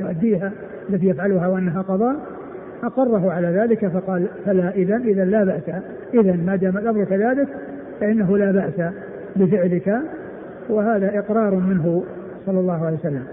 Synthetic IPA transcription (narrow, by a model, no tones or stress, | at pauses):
jʊʔad̪ːiːɦa | ʔalːat̪ijafʕalʊɦawaʔanːaɦaqɑðˤɑːʔ | ʔɑqɑrˤːɑɦʊʕalaːðaːlɪkafɑqɑːlfalaːʔɪðanʔɪðanlaːbaʔsa | ʔɪðanmad̪aːmat̪ʔɑbɾʊkaðaːd̪ɪk | faʔɪnːaɦʊlaːbaʔsa | bɪfɪʕlɪka | wɪhaːðaʔɪqɾˤɑːɾˤmɪnɦʊ | sˤɑlːɑlːɑːhʊʕaljwasalːam